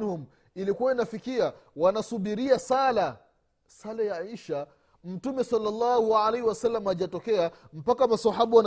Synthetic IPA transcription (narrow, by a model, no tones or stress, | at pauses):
hum | ilikuwainafikiawanasuɓiɾiasala | salajaiʃa | m̩tumɛsalːalːɑhualahiwasalːamaʄatɔkɛam̩pakamasahaɓuwan